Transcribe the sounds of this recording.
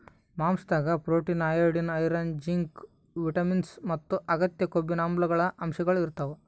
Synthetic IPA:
maːmsd̪aːɡɐpɾoːʈinaːjɐɾɖinɐjɾaːnd͡ʒiŋk | ʋiʈɐminsmɐt̪ːuʔɐɡɐt̪jɐkobːinaːmblɐɡɐɭɐʔɐmʃɐɡɐɭiɾt̪ɐʋu

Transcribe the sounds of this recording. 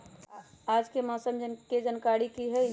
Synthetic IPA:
aːd͡ʒkemɔːsəmd͡ʒked͡ʒənkaːɾikiɦɛ

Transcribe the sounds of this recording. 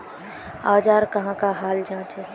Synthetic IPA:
aːd͡ʒaːɾkɐɦãkaɦaːld͡ʒãːt͡ʃe

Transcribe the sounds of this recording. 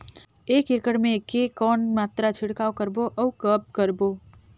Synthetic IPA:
eːkeːkəɽmẽkekɔːnmaːt̪ɾat͡ʃʰɪɽkaːokəɾboʔəwkəb̚kəɾboː

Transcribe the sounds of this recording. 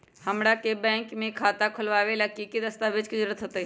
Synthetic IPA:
hɐmɽakebɛ̃ːŋkmẽkʰaːt̪akʰʊlʋaːʋelakikid̪ɐst̪aːʋed͡ʒkizɐɾuːɾət̪ɦoːt̪aɦi

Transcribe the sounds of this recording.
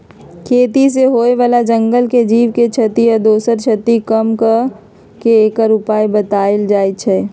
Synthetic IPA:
kʰeːt̪is̬eɦoːeʋaːlad͡ʒə̃ŋɡəlked͡ʒiːʋket͡ʃʰɐt̪ijɔɾd̪oːsəɾt͡ʃʰɐt̪ikəmk | keeːkaɾʊpaːebɐt̪aːeld͡ʒaːet͡ʃʰɛː

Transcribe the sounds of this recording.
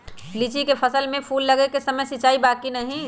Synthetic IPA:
lit͡ʃikepʰəsəlmẽpʰuːlːɐɡekesɐməjsɪt͡ʃaːibaːkinɐɦĩ

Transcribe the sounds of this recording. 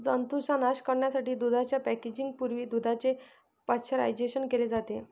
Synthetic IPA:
d͡zənt̪usanaɕkəɾɳjasaʈiːd̪ud̪ʱat͡ɕjapæked͡ʑiŋɡ̚puɾʋiːd̪ud̪ʱat͡ɕe | pat̪ɕʰəɾa̰jd͡ʑeɕənkeled͡zat̪e

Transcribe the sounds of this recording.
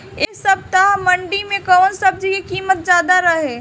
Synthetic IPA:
eːsɐb̚t̪amɐ̃ɳɖimẽkɔːnsɐb̚d͡ʒikikiːmət̪̚d͡ʒjaːd̪aɾɐɦẽː

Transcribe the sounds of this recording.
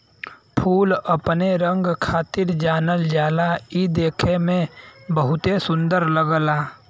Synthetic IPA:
pʰuːləpneɾə̃ŋɡkʰaːt̪ɪɾd͡ʒaːnəld͡ʒaːlaid̪eːkʰemẽbəɦʊt̪esʊ̃nd̪əɾləɡlaː

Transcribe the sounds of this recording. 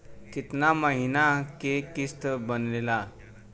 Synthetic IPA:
kit̪naməɦinakekist̪əbənlela

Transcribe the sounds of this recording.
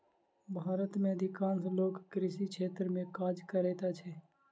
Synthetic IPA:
bʱaːɾət̪mẽɐd̪ʱɪkaːnsloːkːɾɪʃikʃʰeːt̪ɾəmẽkaːd͡ʒkəɾeːt̪at͡ʃʰɛː

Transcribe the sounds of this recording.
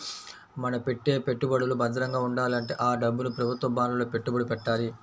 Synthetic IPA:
mɐnɐpe̞ʈːe̞ːpe̞ʈːubɐɽulubɐnd̪ɐɾɐŋɡaːuɳɖaːlɐɳʈe̞̰ːʔaːɖɐbːunupɾɐbʱut̪ʋɐbaːnuloːpe̞ʈːubɐɽupɛʈːaːli

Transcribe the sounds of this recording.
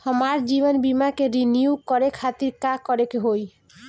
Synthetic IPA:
hɔmaɾd͡ʑibɔnbimakeɾiniukɔɾekʰat̪iɾkakɔɾekeɦoj

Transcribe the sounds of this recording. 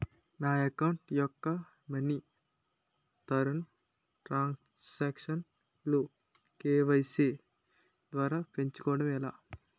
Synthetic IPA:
naːɐkɐwɳʈjɔkːɐ | mɐni | t̪ɐɾɐn | ʈɾaːn | aːkʂɐn | lu | keːʋɐjseː | d̪ʋaːɾaːpe̞ɲt͡ʃu̥kɔːʋɐɽɐmɛla̰ː

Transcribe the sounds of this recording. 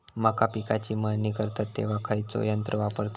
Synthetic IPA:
makapikat͡ɕiːmanikəɾt̪at̪ːḛʋ̤akʰajt͡so̰jənt̪ɾəʋapəɾt̪

